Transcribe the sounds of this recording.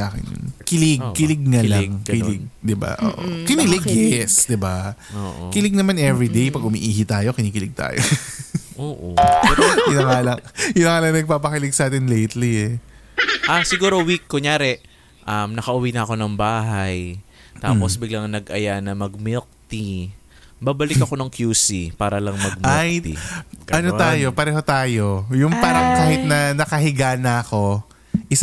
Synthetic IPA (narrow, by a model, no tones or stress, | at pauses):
aːkɪ̰njʊ̰nkɪlɪɡkɪlɪɡ̚ŋɐlaŋkɪlɪɡ̚d̪ɪba̰ʔo̰ːʔo̰kɪnɪlɪɡjɛsd̪ɪbao̰ːʔo̰kɪlɪɡ̚nɐmanɛvɾid̪ejpɐɡ̚ʊmiʔiːɦit̪aːjo̞kɪniːkɪlɪɡ̚t̪a̰ːjoʔoːʔo̰ | ɪnɐŋalɐkɪnɐŋaːlɐŋnɐɡ̚paːpɐkɪlɪɡ̚sʔaːt̪ɪnlejt̪liɛ | ʔasɪɡuːɾo̞wikːoɲaːɾɛ | ʔɐmnɐkɐʔʊwiːnɐɐko̞nɐŋbaːɦɐj | t̪a̰ːpo̞sbɪɡlɐŋnɐɡʔɐjanɐmɐɡ̚mɪlk̚t̪i | baːbɐlɪkɐko̞nɐŋkjuːsipaːɾɐlɐŋmɐɡ̚maɛj̪ḭʔɐnot̪aːjo̞pɐɾɛːho̞t̪aːjo̞jʊŋpaːɾɐŋkaːhɪt̪̚nɐnɐkɐɦɪɡaːnɐɐko̞ | ʔɪs